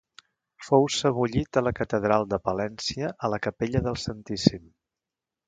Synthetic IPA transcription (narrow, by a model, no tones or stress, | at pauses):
fowsəβuʎit̪ələkət̪əðɾalˠd̪əpəlɛnsiəʔələkəpeʎəðəlˠsənt̪isim